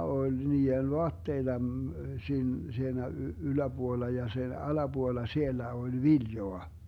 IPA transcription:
olʲ niːen ʋoɑtːeitɑ siːn siːnæ ylæb̥uolːɑ jɑ sen ɑlɑb̥uolːɑ sielːæ olʲ ʋiljoɑ

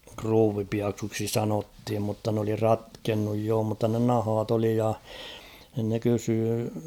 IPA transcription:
kruːʋipiɑksuːksi sɑnothim mutːɑ n oli rɑtkenːuj joː mutːɑ ne nɑhɑːt oli jɑ nɪ̆n ne kysyː

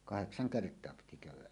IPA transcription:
kɑheksɑŋ kertˑoɑ piti kæˑywˑæʔ

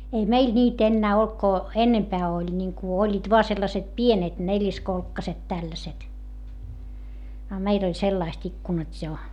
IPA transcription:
ei meil nʲiːt enːæː olt ko enːempæː olʲ nʲiŋku olʲːiːt ʋoɑ selːɑset pienet nelʲiskolkːɑset tælːæset ɑ meil olʲ selːɑist ikːunɑtʲ jo

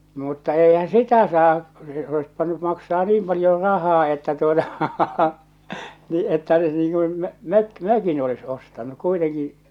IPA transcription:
mutːɑ eˑihæ̃ː sitæ sɑː se ois pĭtæny mɑksɑː niːm pɑljor rɑhɑː etːæ tuotɑ niː etːæ se niː kun møk møkin olis ostɑnu kuiteŋki

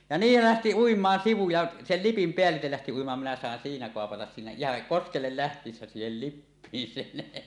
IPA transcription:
jɑ niːl læhti uimˑɑːn siʋu jɑ sel lipim peælːitel læhti uimɑːn minæ sɑˑen siːnæ koɑpɑtɑs siːnæ ihɑŋ koskelːel læhtˑiːsːæ siːhel lipːiːn sen

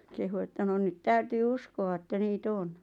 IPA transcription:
kehu etːæ no nyt tæytyː uskoʋɑ etːæ niːt on

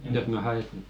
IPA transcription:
jos mæ hɑe se

